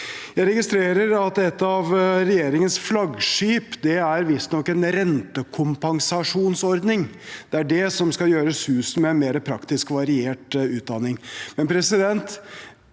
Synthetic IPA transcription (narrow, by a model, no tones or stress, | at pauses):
jæɪɾɛɡɪst̪ɾeːɾəɾɑt̪ɛt̪ːɑʋɾɛjeːɾɪŋənsflɑɡʂyːpd̪ɛæɾʋɪst̪nɔkːɛnɾɛnt̪əkʰʊmpɑŋsɑʂuːnsɔɾd̪nɪŋd̪̥ɛæɖɛsɔmskɑjøːɾəsʉːs̩mɛɛnmeːɾəpʰɾɑkt̪ɪskʋɑɾɪeːʈʉːt̪̚d̪ɑnɪŋmɛnpʰɾɛsɪd̪ɛnt̪